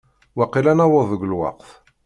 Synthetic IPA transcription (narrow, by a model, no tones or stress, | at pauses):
waqːilænɑwəðˤəɡlwɑ̰qθ